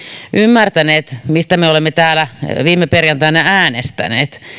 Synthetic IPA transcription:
ʔymːært̪æneːt̪mist̪æmeolemːet̪æːlæʋiːmːeperjɑnt̪ɑenææːnest̪æ̰nḛːt̪

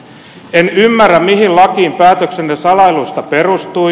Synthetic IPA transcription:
enymːærːæmmiɦillɑkiːmpæːt̪øksennesɑlɑilust̪ɑpe̞rust̪ui

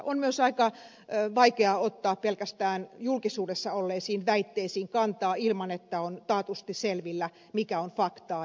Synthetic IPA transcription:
ʔonmyøsɑikɑ | ʋɑikeɑot̪ːɑːppelkæst̪æːnjulkisuːdesːɑolːeːsiːnʋæit̪ːeisiːŋkɑnt̪ɑːilmɑnet̪ːæont̪ɑːt̪ust̪iselʋilːæ | mikæonfɑkt̪ɑː

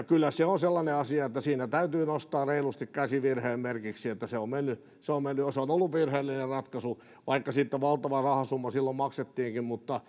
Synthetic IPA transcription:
kylːæseonselːɑneɑsiɑet̪ːæsiːnæt̪æyt̪yːnost̪ɑːreilust̪ikkæsiʋirheːmmerkiksiet̪ːæseommenːy | seommenːyoseonolːuʋʋirheːlːinerrɑt̪kɑsu | ʋʔɑikːɑsit̪ːæʋɑlt̪ɑʋɑrɑhɑsumːɑsilːommɑkset̪ːiːŋkimmut̪ːɑ

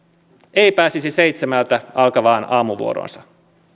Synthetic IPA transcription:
ejpæːsisisejt̪semælt̪æʔɑlkɑʋɑːnɑːmuʋṵoɾo̰ːnsɑ

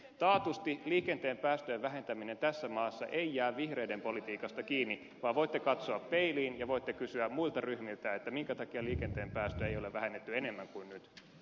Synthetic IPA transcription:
t̪ɑːt̪ust̪iliːke̞nt̪eːmpæːst̪øjeʋʋæɦe̞nt̪æmine̞nt̪æsːæmɑːsːɑ̰ʔejjæːʋʋihreidempo̞lit̪iːkɑst̪ɑkiːnːi | ʋɑːʋʋojt̪ːekɑt̪soɑppe̞iliːnjɑʋoit̪ːekysyæmmuilt̪ɑryhmilt̪æet̪ːæmiŋkæt̪ɑkiɑliːkent̪eːmpæːst̪øejo̞leʋæhenːet̪ːyene̞mːæŋkuinnyt̪

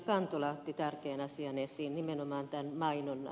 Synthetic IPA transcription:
kɑnt̪olɑt̪ːit̪ærkeːnɑsiɑnesiːnnimenomɑːnt̪ænmɑinon̰

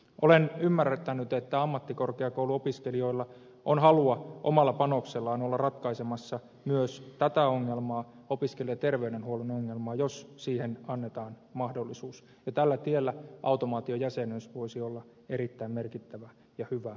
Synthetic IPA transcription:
ʔolenymːærːt̪ːænyt̪et̪ːæɑmːɑt̪ːikorkeɑkouwluopiskelioilːɑ | ʔonɦɑluɑʔo̰mɑlːɑpɑnokselːɑːnolːɑrɑt̪kɑisemɑsːɑ | myøst̪æt̪æoŋːelmɑː | opiskelːˑet̪erʋeydenhuolenoŋːelmɑːjossiːhenɑnːet̪ɑːn | mɑhdolːisuːs | jɑt̪ælːæt̪ielːæʔɑ̰ut̪omɑːt̪iojæsenøsʋoisiolːɑ | eɾit̪ːæimmerkit̪ːæʋæ | jɑhyʋæ

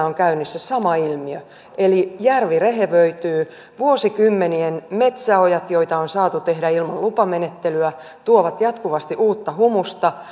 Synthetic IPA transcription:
oŋkæynysːesɑmɑilmiø | elijærʋireɦeʋøit̪yː | ʋuosikymːenienmet̪sæojɑt̪joit̪ɑonsɑːt̪ut̪e̞hdæilmɑllupɑmenet̪ːelyæ | t̪uoʋɑt̪jɑt̪kuʋɑst̪iʔuːt̪ːɑhumust̪ɑ

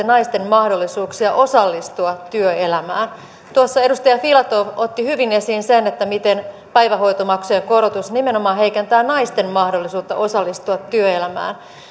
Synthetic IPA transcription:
enɑist̪emmɑhdolːisuːksiɑʔo̞sɑlːist̪uɑt̪t̪yøelæmæːn | t̪uɑsːɑe̞dust̪ɑjɑfilɑt̪oʋot̪ːihyʋine̞siːnsenet̪ːæmit̪en | pæiʋæho̞jt̪omɑksujeŋkorot̪usnimenomɑːɦeikent̪æːnɑist̪emmɑhdolːisuːt̪ːɑ̰ʔo̞sɑlːist̪uɑt̪ːyøelæmæ̰ːn

